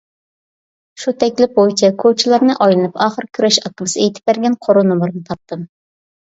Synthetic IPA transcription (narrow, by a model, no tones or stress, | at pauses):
ʃut̪ʰɛkʲlɪp̚ojt͡ʃʰɛkʰot͡ʃʰilˠɑɾnɨʔɑjlˠɨnɨpʰɑːχəɾkʲʰyɾɛʃɑkːəmɨsɨejt̪ʰɪp̚bæɾɡʲɛnqʰoɾunomuɾnɨt̪ʰɑp̚t̪ʰɨm